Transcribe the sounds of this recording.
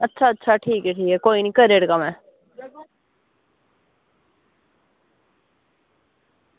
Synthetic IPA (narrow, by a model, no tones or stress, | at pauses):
ətːʃʰaətːʃʰaʈʰiːkɛʈʰiːkɛkoːinikəɾeːɽkamɛ̃ː